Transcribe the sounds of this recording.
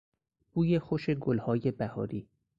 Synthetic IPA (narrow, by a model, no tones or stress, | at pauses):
b̥uːje̞xoʃe̞ɡolhɒːje̞bæhɒ̰ːɾiː